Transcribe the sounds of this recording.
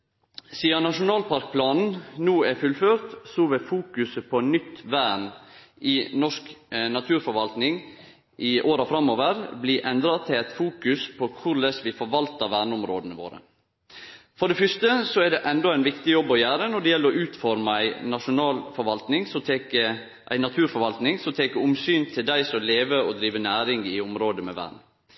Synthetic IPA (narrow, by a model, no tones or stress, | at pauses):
siːɑnɑʂʊnɑːlpʰɑɾk̚pʰlɑːnn̩nuːæfʉlføːɾt̪sɔːʋefuːkʉsəpʰɔnʏt̪ːʋæːɳ | ʔɪnɔʂknɑt̪ʰʉːɾfɔɾʋɑlt̪nɪŋ | ʔɪʔoːɾɑfɾɑmːoːʋəɾbliːʔɛnd̪ɾɑt̪ʰɪlɛt̪fuːkʉspʰɔkʰʊɾlɛsʋɪfɔɾʋɑlt̪əʋæːɳəʊmɾoːd̪ənəʋo̰ːɾə̰ | fɔɖɛfʏst̪əsɔɛɖɛʔɛnd̪ɔæɪnʋɪkt̪ɪjɔbːɔjæːɾənɔɖɛjɛlːəɾɔʔʉːt̪fɔɾmɑæɪnɑʂʊnɑːlfɔɾʋɑlt̪nɪŋsɔmt̪ʰekə | ʔæ̰ɪnɑt̪ʰʉːɾfɔɾʋɑlt̪nɪŋsɔmt̪ʰeːkəʊmsyːnt̪ʰɪld̪æɪsɔleːʋəɔd̪ɾiːʋənæːɾɪŋɪʊmɾoːd̪əmɛʋæ̰ːɳ